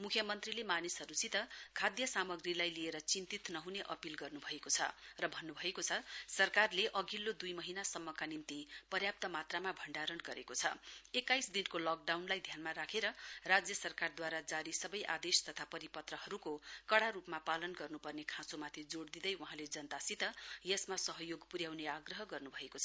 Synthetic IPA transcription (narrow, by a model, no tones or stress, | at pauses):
mukʰjʌmʌnt̪rilemanisɦʌɾut͡sit̪ʌkʰad̪jʌsamʌɡrilajlieɾʌt͡sint̪it̪nʌɦuneʔʌpilɡʌrnubʱʌekot͡sʰʌ̰rʌbʱʌnːubʱʌekot͡sʰʌsʌrkarleʔʌɡilːod̪ujmʌɦinasʌmːʌkanimt̪ipʌrjap̚t̪ʌmat̪ramabʱʌɳɖaɾʌnɡʌɾekot͡sʰʌ̰ekːajsd̪inkolɔk̚ɖawnlajd̪ʱjanmaɾakʰeɾʌrad͡zjʌsʌrkard̪waɾad͡zaɾisʌbʌjʔa̰d̪est̪ʌt̪ʰapʌɾipʌt̪rʌɦʌɾukokʌɽaɾupmapalʌnɡʌrnupʌrnekʰãsomat̪ʰid͡zoɽd̪id̪ʌjwuɦãled͡zʌnt̪asit̪ʌjesmasʌɦʌjoɡpuɾjawneaɡrʌɦʌɡʌrnubʱʌekot͡sʰʌ